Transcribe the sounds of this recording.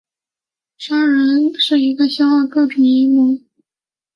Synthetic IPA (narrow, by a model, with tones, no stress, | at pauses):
ʂɑ˥ŋɻə˧˥nʂɻ̩˥˩i˧˥ɡə˧ɕjɑ˥ʊxɑ˥˧ʊkɤ˥˩pʰi˧˥ŋi˥mu˧˥ŋ